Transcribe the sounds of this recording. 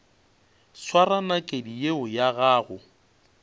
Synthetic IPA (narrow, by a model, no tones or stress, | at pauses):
swaɾanakʼedijeʊjaɣaːɣʊ